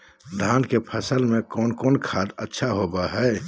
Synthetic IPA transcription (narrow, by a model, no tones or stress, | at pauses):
d̪ʱaːnkepʰəsəlmẽkɔːnkɔːnkʰaːd̪ətːʃʰaɦoːbaɦɛː